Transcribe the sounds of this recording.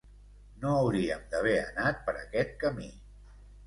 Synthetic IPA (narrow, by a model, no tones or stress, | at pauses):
noəwɾiəmd̪əβ̞ɛə̰nat̪̚pəɾə̰kɛt̪̚kəmi